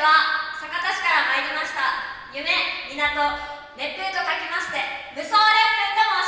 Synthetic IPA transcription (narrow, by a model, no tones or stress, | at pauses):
βasakat̪aɕi̥kaɾahaiɾʲimaɕi̥t̪ajɯ̟me̞mʲinat̪o̞ | ne̞pːɯ̟ːt̪o̞kakʲemaɕi̥t̪e̞mɯ̟soːɾekɯt̪amo